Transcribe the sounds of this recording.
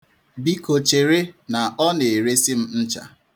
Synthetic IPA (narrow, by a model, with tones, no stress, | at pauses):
bi˦ko˨t͡ʃe˨ɾe˦na˨ɔ˦ne˨ɾe˦si˦m̩˦n̩˦t͡ʃa̰˨